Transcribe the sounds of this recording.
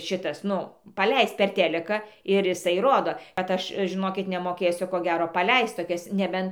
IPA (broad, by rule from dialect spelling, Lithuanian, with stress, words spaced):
ˈʃʲɪtɐs ˈnʊ pɐˈlʲɛɪst ˈpʲɛr ˈtʲæːlʲɪkɑː ɪr ɪˈsɐɪ ˈroːdoː kɐt ˈɐʃ ʒʲɪˈnoːkʲɪt nʲɛmoːˈkʲeːsʲʊ ˈkoː ˈɡʲæːroː pɐˈlʲɛɪst toːˈkʲɛs nʲɛˈbʲɛn